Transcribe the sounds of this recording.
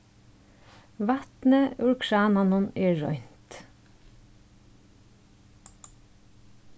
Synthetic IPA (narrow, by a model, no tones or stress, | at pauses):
ʋɑt̪nəʉɹkʰɹɑːnanʊneːɹɔ̰ʏn̥t̪